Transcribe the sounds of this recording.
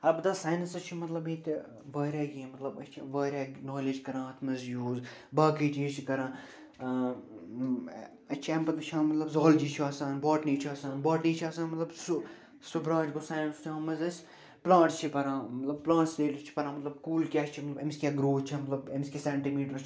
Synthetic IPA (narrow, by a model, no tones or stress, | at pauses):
ɐbd̪aːsaːjnɐsɐt͡ʃʰimɐt̪lɐbĩːt̪ | ʋaːɾʲaːɡiẽmɐt̪lɐbɐt͡ʃʰiʋaːɾʲaːnaːled͡ʒkɐɾãːɐt̪ʰmɐzjuːz | baːkiːt͡ʃeːt͡ʃʰikɐɾãː | ɐt͡ʃʰambɐt̪ɐt͡ʃʰãːmɐt̪lɐbzaːld͡ʒiːt͡ʃʰiaːsaːnbaːʈniːt͡ʃʰiaːsaːnbaːʈniːt͡ʃʰaːsaːnmɐt̪lɐbsu | subɾaːd͡ʒɡoːsaːnɐnst͡ʃʰãːmɐzɐsʲ | plãːʈst͡ʃʰipɐɾãːmɐt̪lɐb̚plãːʈsd̪eːlt͡ʃʰi̥pɐɾãːmɐt̪lɐbkuːlkʲaːʃt͡ʃʰimɐt̪lɐbɐmskʲaɡɾoːt͡ʃʰamɐt̪lɐbɐmskʲisɛːɳʈimiːʈəɾt͡ʃ